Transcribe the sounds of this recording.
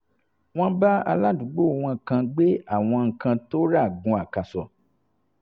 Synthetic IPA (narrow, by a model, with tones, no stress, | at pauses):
w̃ɔ̃˦ba˦a̰˧la˦dũ˨˦ɡ͡bo˦˨w̃ɔ̃˧˨kã˧ɡ͡be˦a˦˨w̃ɔ̃˧ŋ̩˨kã˧to˦ɾa˦˨ɡũ˨˧a˨ka˨sɔ˨